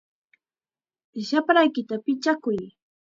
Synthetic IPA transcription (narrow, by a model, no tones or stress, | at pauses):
ʃapɾajkɪt̪apɪt͡ʃakʊj